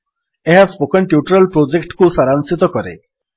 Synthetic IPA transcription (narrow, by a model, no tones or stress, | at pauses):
eɦaspokɔnʈjuʈɔɾɔlpɾod͡ʒekʈkusaɾansit̪ɔkɔɾḛ